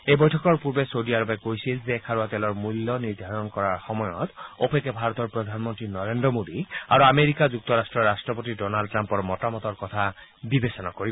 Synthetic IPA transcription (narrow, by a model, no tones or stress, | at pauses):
ejbɔjtʰɔkɔɹpuɹbesodiaɹɔpɛkojsilzekʰaɹuat̪ɛlɔɹmulːɔniɹd̪ʱaɹɔnkɔɹaɹxɔmɔjɔ̰t̪opekːɛbʱaɹɔt̪ɔɹpɹɔd̪ʱanmɔntɹinɔɹendɹɔmod̪iaɹuameɹikazuk̚t̪ɔɹastɹɔɹːastɹɔpot̬idɔnald̚ʈɹampɔɹmɔtamɔt̪ɔɹkɔt̪ʰabibesɔnakoɹibɔ